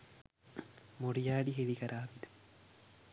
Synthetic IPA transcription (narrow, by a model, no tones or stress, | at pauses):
moɽijaːɖiɦelikɐɾʔaːʋid̪u̥